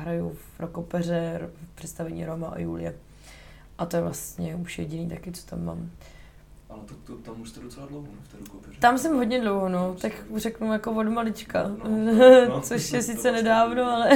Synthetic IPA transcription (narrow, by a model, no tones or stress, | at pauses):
ɦɾajufɾokopɛr̝ɛɾpr̝̥ɛt̪st̪avɛɲḭːɾomaʔo̰jṵːlɪjɛ̰ | ʔat̪ojɛvlast̪ɲɛuʃjɛɟɪniːt̪akɪt͡so̥t̪amːa̰ːm | ʔalɛt̪at̪ot̪amuʒt̪ɛdot͡sɛladlowɦonoft̪ɛɾokopɛɾt̪amsɛmɦodɲɛdlowɦonot̪akrɛknujakovodmalɪt͡ʃka | t͡soʃjɛsɪt͡sɛnɛdaːvnoalɛ